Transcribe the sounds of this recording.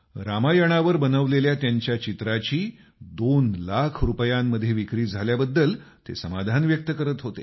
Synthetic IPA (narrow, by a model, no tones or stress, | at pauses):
ɾamajəɽ̃aʋəɾbənəʋleljat̪jaɲt͡ɕjat͡ɕit̪ɾat͡ɕiː | d̪onlakʰɾupəjamːəd̪ʱːjeʋikɾiːd͡zʱaljabəd̪ːəlt̪ḛsəmad̪ʱanʋjək̚t̪əkəɾət̪ɦot̪ḛ